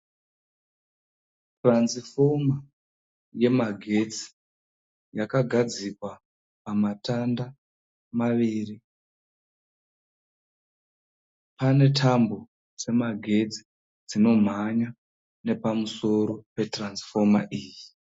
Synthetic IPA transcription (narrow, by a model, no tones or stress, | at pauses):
transifo̞ma | je̞maɡʱe̞t͡si̥ | jakaɡʱad͡zikwa | pamatanda | maʋiːri | pane̞tʰambo̞ | d͡ze̞maɡʱe̞t͡si̥ | d͡zino̞m̤aɲa | ne̞pamuso̞ɾo̞pe̞transi̥fo̞ma̰ʔiːji